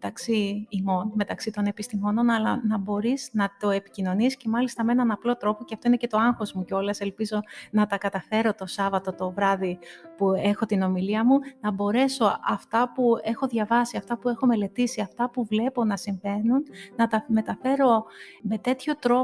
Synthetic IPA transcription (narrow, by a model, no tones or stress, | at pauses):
met̪ɐksiːmo̞nme̞t̪ɐksit̪o̞ne̞pist̪imo̞no̞nɐlɐnɐbo̞ɾiznɐt̪o̞e̞pi̥cino̞nisce̞mɐlist̪ɐmeenɐnɐplo̞t̪ɾo̞po̞ceɐft̪o̞inece̞t̪o̞ɐŋxo̞zmuceo̞lɐse̞lpizo̞nɐt̪ɐkɐt̪ɐfe̞ɾo̞t̪o̞sɐvɐt̪o̞t̪o̞vɾɐðipue̞xo̞t̪ino̞miliɐmunɐbo̞ɾe̞so̞ʔɐft̪ɐpue̞xo̞ðʝɐvɐsiɐft̪ɐpue̞xo̞me̞le̞t̪isiɐft̪ɐpuvle̞po̞nɐsiɱve̞nunːɐt̪ɐme̞t̪ɐfe̞ɾo̞me̞t̪e̞t̪ço̞t̪ɾo